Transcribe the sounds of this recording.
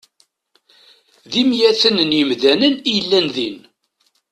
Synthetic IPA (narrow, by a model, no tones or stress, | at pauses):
ðimjæθənənjəmðænənijəlːænðin